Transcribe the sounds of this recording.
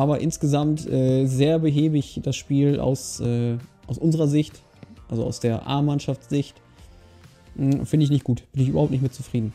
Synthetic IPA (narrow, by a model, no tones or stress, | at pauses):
ʔaːbɐʔɪnsɡ̥əzamtʔɛːzeːɐbəɦeːbəɪçd̥asʃpiːla̰ʊsʔɛːʔaʊsʔʊnzəʁɐzɪçt | ʔalzoa̰ʊsd̥eːɐʔa̰ɐmːanʃaft͡sz̥ɪçt | fɪndəɪçnɪçt̚ɡ̥uːtb̥ɪnɪç̬yːbɐhaʊptnɪçtmɪt̚t͡sufʁ̥iːdn̩